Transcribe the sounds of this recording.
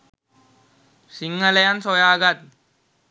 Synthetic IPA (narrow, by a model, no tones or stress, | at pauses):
siŋːɐlejansojaːɡat̪̚